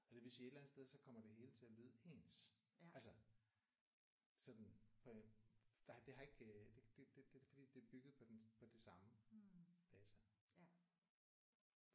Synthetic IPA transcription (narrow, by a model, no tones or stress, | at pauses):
ɒ̽d̥eʋesied̥læn̩ð̩ˠsd̥eð̞ˠsɒ̽kʰɒ̽m̰ɐd̥e̝ɦe̝ːlət͡sʰe̝ælyð̞̰ˠe̝̰ːnsælsɐ | sɒ̽d̥n̩pʰɒ̽d̥d̥e̝ɦɑ̈e̝ɡ̥d̥ed̥ed̥ed̥efɒd̥ḭːd̥e̝æɐb̥yɡ̥ð̞̩ˠpʰɒ̽d̥enpʰɒ̽d̥isɑ̈mə | d̥ɛːt͡sʰæ